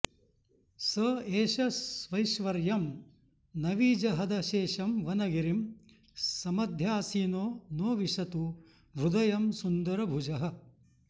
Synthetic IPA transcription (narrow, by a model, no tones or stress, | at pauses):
sɐeːʃɐsʋɐjʃʋɐɾjɐm | nɐʋiːd͡ʒɐɦɐd̪ɐʃeːʃɐmʋɐnɐɡiɾim | sɐmɐd̪ʱjaːsiːnoːnoːʋiʃɐt̪u | bɾud̪ɐjɐmsund̪ɐɾɐbʱud͡ʒɐɦɐ̆